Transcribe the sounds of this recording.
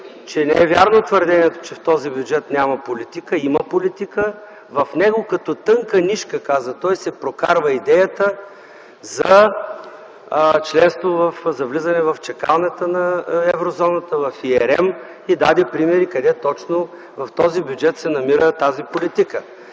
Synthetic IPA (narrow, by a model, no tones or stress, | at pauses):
t͡ʃɛnɛɛvʲjaɾnot̪vəɾd̪ɛniɛt̪o̥t͡ʃɛft̪ɔzibjud͡ʒɛt̪nʲamɐpolit̪ikəiməpolit̪ikə | vɐfnɛɡokɐt̪ɔt̪ɤŋkəniʃkəkazət̪ɔjsɛpɾokaɾvəid̪ɛjət̪ə | zɐ | t͡ʃlɛnst̪vovɐfzɐvlizənɛvɐft͡ʃɛka̰lˠnɛt̪ənɐɛvɾozɔnət̪əvɐfiɛɾɛm | id̪ad̪ɛpɾimɛɾikɐd̪ɛt̪ɔt͡ʃno | vɐft̪ɔzibjud͡ʒɛt̪sɛnɐmiɾət̪azipolit̪ikə